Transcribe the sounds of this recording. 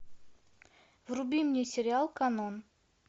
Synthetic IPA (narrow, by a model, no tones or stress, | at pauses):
vrubʲimnʲijsʲɪɾʲɪalˠkɐnon